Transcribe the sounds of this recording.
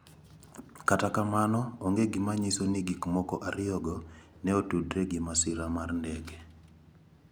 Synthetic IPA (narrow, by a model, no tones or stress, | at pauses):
katakamanɔoŋɡeɡɪmaɲisoniɡikmɔkɔʔaɾɪjɔɡɔ | nɛotudɾeɡimasɪɾamarndɛɡɛ